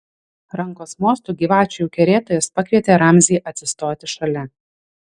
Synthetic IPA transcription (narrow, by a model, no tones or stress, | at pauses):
ɾɐŋkoːsmoːst̪uːɡʲiːʋɑːt͡ʃʲujuːkʲɛɾʲeːt̪oːjɛspɐkʋʲiɛt̪ʲeːɾɐmʲzʲiːʔɐt̪ʲsʲɪst̪oːt̪ʲɪʃɐlʲɛ